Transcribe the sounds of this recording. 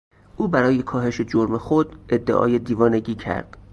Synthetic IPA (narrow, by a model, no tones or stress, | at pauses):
ʔuːbæɾɒːje̞kʰɒːɦe̞ʃe̞d͡ʒoɾmexod̪e̞d̪ːe̞̰ʔɒ̰ːje̞d̪iːvɒːne̞ɟiːcʰæ̰ɾd̪̥